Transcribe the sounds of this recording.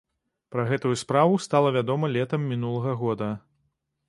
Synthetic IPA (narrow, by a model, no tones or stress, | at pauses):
pɾɐɣɛt̪ujuspɾavust̪alˠɐvʲad̪ɔmɐlʲɛt̪ɐmːʲinulˠɐɣɐɣɔd̪ɐ